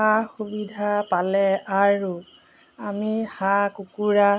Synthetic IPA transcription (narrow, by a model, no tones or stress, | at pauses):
axubidʱapalɛaɹu | amihakukuɹa